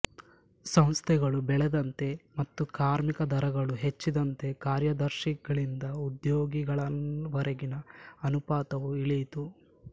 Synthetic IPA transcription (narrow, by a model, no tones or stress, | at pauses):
sɐ̃w̃st̪ʰɛɡɐɭubɛɭɛd̪ɐnt̪e̞mɐt̪ːukaːɾmikɐd̪ʱɐɾɐɡɐɭuɦet͡ʃːid̪ɐnt̪e̞kaːɾjɐd̪ɐɾʃiɡɐɭind̪ɐud̪joːɡiɡɐɭɐʋɐɾɐɡinɐɐnupaːt̪ɐʋuiɭijt̪u